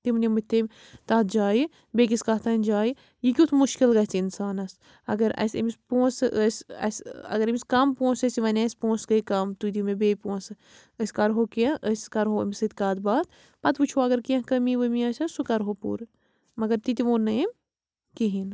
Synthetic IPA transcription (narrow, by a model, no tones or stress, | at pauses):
t̪imnʲimɐt̪ːemʲ | t̪aːt̪ʰd͡ʒaːji | beːk̬iskaːt̪ʰɐnʲd͡ʒaːji | jikʲut̪ʰmuʃkilɡɐt͡sinsaːnɐs | ɐ̰ɡɐɾɐ̰sḭmispõːsɨəsɐ̰sɐ̰ɡɐɾimiskɐmpõːsɐsiʋɐnʲɐsʲpõːsɡɐikɐmt̪ut̪imebeːpõːnsɨ | ɐsʲkɐɾɦoːkiɐ̃ʔəsʲkɐɾɦoḭmisɐt̪kaːt̪baːt̪ | pɐt̪put͡ʃʰoɐɡɐɾkiɐ̃kɐmiʋɐmiɐsʲɐsukɐɾɦopṵːɾ | mɐɡɐɾt̪it̪iʋoːnːɐim | kiɦin